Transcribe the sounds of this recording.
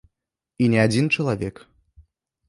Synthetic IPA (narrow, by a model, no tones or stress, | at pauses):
inʲɛad͡zʲint͡ʃɐlˠavʲɛk